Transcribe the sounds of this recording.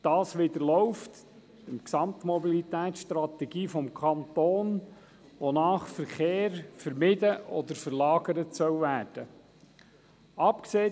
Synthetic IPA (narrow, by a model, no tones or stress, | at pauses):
d̥ɑːsʋɪd̪əɾlɔʊft | dəmksɑmt̪mɔbilit̪æːtsʃt̪ɾɑt̪ɛɡ̥iːfɔmkʰɑnt̪oːn | ʋonɑːχfəɾχeːɾfəɾmɪdəʔɔd̪əɾfəɾlɑːɡəɾətsœwvæːrd̥ə | ɑpkseː